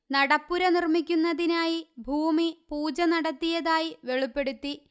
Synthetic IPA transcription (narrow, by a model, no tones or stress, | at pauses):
nɐɽɐpːuɾɐnirmikʲːunːɐðinaːjibʱuːmipuːd͡ʑɐnɐɽɐt̪ːijɐðaːjiʋe̞ɭipːe̞ɽut̪ːi